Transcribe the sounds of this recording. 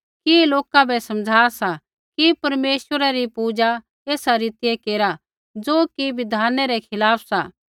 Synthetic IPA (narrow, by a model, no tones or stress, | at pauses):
kiloːkabɛsɐmd͡ʒʱaːsa | kipɐɾmeːswəɾaɾipuːd͡ʒa | eːsaɾɪt̪ɪjekeːɾa | d͡ʒoːkiʋɪd̪ʱaːnɛɾɛkʰɪlaːpʰsaː